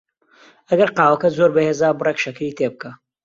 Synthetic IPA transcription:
ɐɡɐɾqɑːwɐkɐzoːɾbɐheːzaːbʊreːkʃɐkɾiːt̪ʰeːbɨkʰɐ

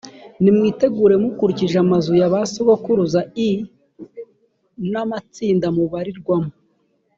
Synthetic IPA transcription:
nimŋiːte̞ɡuːɾe̞mukuɾiciʒamazujaβasiɡokuɾuzai | namat͡siːndamuβaɾiɾɡwamu

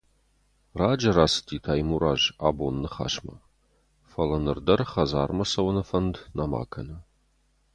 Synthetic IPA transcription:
raːd͡ʒɐraːsɨ̥tʰiːtʰaːjmuːɾaːʒaːboːnːɨχa̰ːʃmɐ̰ | fɐlɐnɨrdɐrχɐzaːrmɐsɐwɐnɐfɐndnama̰ːkʰɐ̰nɐ

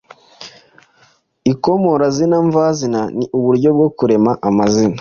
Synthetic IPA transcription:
iko̞mo̞ɾazinaɱvazinaniʔuβuɾɟo̞b̚ɡo̞kuɾe̞maʔamazina

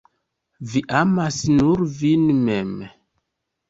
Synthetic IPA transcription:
viʔamasnuɾvinmem

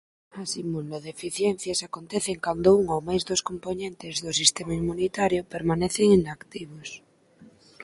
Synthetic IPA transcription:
asimuloðefiθjen̟θjasakont̪eθeŋkand̪ouŋowmajzðoskomponẽnt̪ezðosist̪emaimunit̪aɾjopeɾmaneθeŋinakt̪iβ̞os

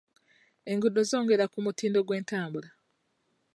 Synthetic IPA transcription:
e̞ŋɡudozo̞ːŋɡe̞ɾakumutiːndo̞ɡwe̞ːntaːmbula

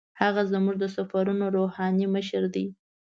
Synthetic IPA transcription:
haɣazmuʐd̪əsafaɾunoɾohɑniməʃəɾd̪i

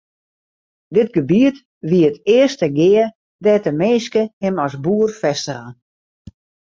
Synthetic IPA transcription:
dɪt̚ɡəbiət | ʋiəətɪəstəɡɪə | dɛːtəmeːskəhɪmɔsbuərfɛstəɣə

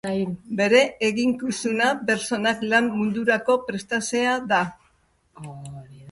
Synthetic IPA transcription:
be̞ɾe̞eɣiŋkusunape̞ɾt͡so̞naklamːund̪uɾako̞pɾe̞st̪ase̞aða

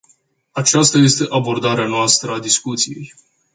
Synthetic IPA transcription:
at͡ʃast̪aje̞st̪e̞ʔabo̞rd̪aɾeanoast̪ɾəad̪iskut̪sije̞̰j

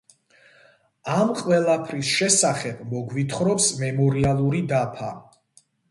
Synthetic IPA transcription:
amqʼwɛlˠapʰɾisʃɛsaχɛbmɔɡwit̪ʰχɾɔpsmɛmɔɾialˠuɾid̪apʰa

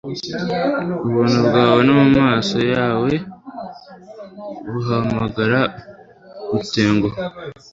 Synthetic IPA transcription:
uβuːnubɡaːwe̞numumaːso̞jaːwe̞ | ɾuɦamaɡaɾa | ute̞ːŋɡo

